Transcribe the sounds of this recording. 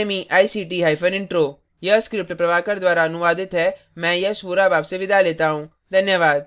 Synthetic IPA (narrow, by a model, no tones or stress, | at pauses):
mĩːʔaːisiːʈiːɦaːipʰənɪ̃ɳʈɾoː | jəskɾɪp̚ʈpɾəʋaːkəɾd̪waːɾaənʊʋaːd̪ɪt̪ɦɛː | mɛ̃ːjəsuːɾaːbaːbseʋɪd̪aːleːt̪aːɦũː | d̪ʱənjəʋaːd̪